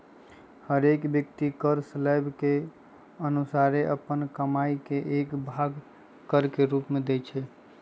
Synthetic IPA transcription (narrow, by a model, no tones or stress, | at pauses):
həɾekbjək̚t̪ikəɾslajbke | ənusaɾeʔəpːənkəmaikeʔekbʱaɡ | kəɾkeɾupmed̪ɛt͡ʃʰɛ